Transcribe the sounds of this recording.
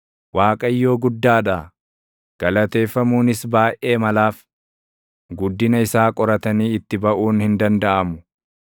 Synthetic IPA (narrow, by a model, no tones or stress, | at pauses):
waːkʼɐjːo̞ːɡʊd̪ːaːᶑa | ɡ̥ɐlɐt̪e̞ːfːɐmuːnɪsbaːjʔʔe̞ːmɐlaːf | ɡʊd̪ːɪnɐɪsaːkʼɔɾɐt̪ɐniːɪt̪ːɪbɐʔuːnhɪnd̪ɐnd̪ɐʔɐmʊ̥